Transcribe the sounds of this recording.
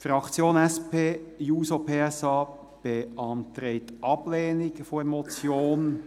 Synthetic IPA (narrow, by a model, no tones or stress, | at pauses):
fɾɑkt͡sjoːnɛspeːjuːsopʰeːɛsɑː | b̥eʔɑntɾeɪtʔɑbleːnɪkfomɔt͡sjoːn